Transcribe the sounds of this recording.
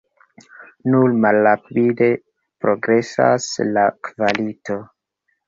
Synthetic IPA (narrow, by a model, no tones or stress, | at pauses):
nuɾmalːapide̞ | pɾo̞ɡɾe̞sa̰slakvalito̞